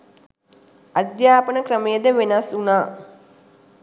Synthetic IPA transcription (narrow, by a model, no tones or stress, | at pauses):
ɐd̪jaːpənəkɾəmejəd̪əʋenasunaː